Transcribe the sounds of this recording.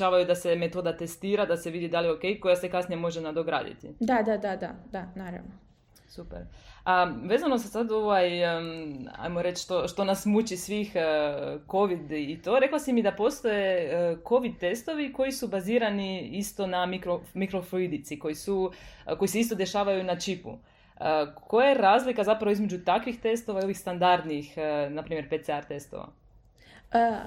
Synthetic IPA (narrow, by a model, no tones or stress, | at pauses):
aːʋajud̪aseme̞t̪o̞d̪at̪e̞st̪iːɾad̪ase̞ʋid̪id̪alio̞ke̞jko̞jase̞kasnijemo̞ʒenad̪oɡɾa̰ːd̪ḭt̪ḭd̪ad̪ad̪ad̪ad̪anaɾa̰ʋno | supḛɾaʋe̞ːzanosesad̪o̞ʋaj | a̰jmo̞ɾe̞t͡ʃʃt̪o̞ʃt̪o̞nasmut͡ɕisʋix | ko̞ʋid̪it̪o̞ːɾe̞klˠasimid̪apo̞st̪o̞je̞ko̞ʋid̪̚t̪e̞st̪o̞ʋiko̞jisubaziːɾaniist̪o̞namikɾomikɾofluid̪it̪siko̞jisuko̞jise̞ist̪o̞d̪e̞ʃaːʋajunat͡ʃipṵ | əko̞jajeɾaːzlikazapɾaʋoizme̞d͡ʑut̪akʋixt̪e̞st̪oʋaio̞ʋixst̪and̪aɾd̪nixnapɾimje̞ɾpet̪eaɾt̪e̞st̪o̰ʋa̰